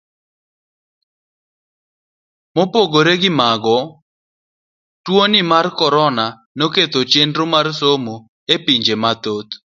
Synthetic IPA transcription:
mopoɡoɾeɡɪmaɡɔ | twonɪmarkɔɾɔna | noket̪ot͡ʃendɾomarsomo | epiɲd͡ʒemat̪ot̪

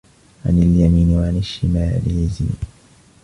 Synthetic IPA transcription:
ʕa̰naljamiːnwaʕanaʃːima̰ːliːzḭː

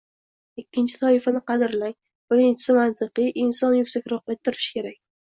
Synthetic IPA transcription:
ɪkʲːɪnt͡ʃʰɪ̥t̪ʰɒɪfanɪqɑd̪ɪɾlaŋʲ | b̥ɪɾɪnt͡ʃʰɪsɪmant̪ʰɨqɨʔɪnsɒnjʊkʲsakʲɾɒqet̪ʰːɪɾɪʃkʲe̞ɾak̚ʲ

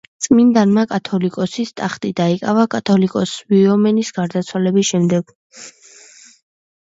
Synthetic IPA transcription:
t̪sʼmind̪anmakʼat̪ʰɔlikʼɔsist̪ʼaχt̪ʼid̪aikʼavakʼat̪ʰɔlikʼɔsviɔmɛnisɡ̥aɾd̪at̪sʰwalɛbisʃɛmd̪ɛɡ̥

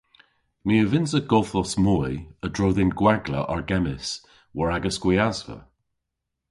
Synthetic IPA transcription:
miəvɪnsəɡ̥ɔlˠθɔsmɔədɹowðɪnɡwaɡlə̰ʔaɹɡɛmɪs | wɔɹaɡəskwiazvə̰

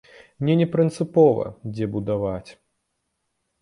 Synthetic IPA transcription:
nʲɛnʲɛpɾɨnt̪sɨpɔvɐ̰d͡zʲɛbud̪avat͡sʲ

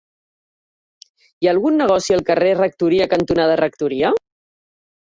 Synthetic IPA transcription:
iaːlˠɣunːəɣ̞ɔsiəlˠkərerək̚t̪uɾiəkənt̪unaðərək̚t̪uɾiə

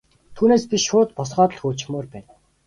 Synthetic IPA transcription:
t̪ʰuːneːspʲiʃʊːt̪̚pɔsʁɔːt̪ə̆ɮxoːt͡ɕmoːrpæːn

